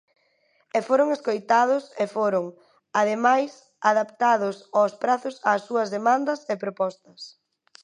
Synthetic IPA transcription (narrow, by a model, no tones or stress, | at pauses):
ɛfoɾʊŋeskojt̪að̞ʊsefoɾʊŋ | að̞emajs | aðapt̪aðʊsaspɾaθʊsaːsuɐzðemãnd̪ɐsepɾopɔst̪ɐs